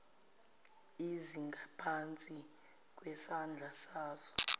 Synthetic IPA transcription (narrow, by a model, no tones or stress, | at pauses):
iziŋɡʱapʰant͡sʼi | k̬ʼwɛsand͡ɮʱasaːsɔ̥